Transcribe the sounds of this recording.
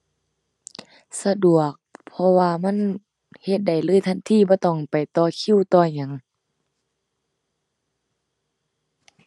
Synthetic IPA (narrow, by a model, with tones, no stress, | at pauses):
sa˧du˨˩ək̚pʰɔ˧waː˧ma˧˥˨n | he˧t̪̚da˨˩jlɯː˧˥˨jt̪ʰa˧˨nt̪ʰiː˧˥˨bɔː˧˦t̪ɔː˧˩ŋpa˨˩jt̪ɔː˧kʰi˧˨wt̪ɔː˧˩ɲa˨˦ŋ